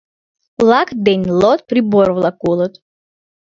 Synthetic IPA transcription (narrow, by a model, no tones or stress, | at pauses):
lˠakd̪ɛnʲlˠɔt̪̚pɾibɔɾvlˠakulˠɔt̪